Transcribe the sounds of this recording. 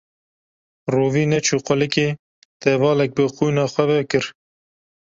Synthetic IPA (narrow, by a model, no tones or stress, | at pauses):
ruːviːnɛt͡ʃʰuːqʊlɨkeː | t̪ɛvɑːlɛk̚bɨxuːjnɑːxʷɛbɛkɨɾ